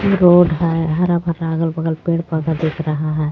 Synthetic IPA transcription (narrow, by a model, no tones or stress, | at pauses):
eɾoːɖɦɛɦɐɾabʱɐɾaɡəlbɐɡəlpeːɽpəd̪ad̪ekʰɾɐɦaɦɛː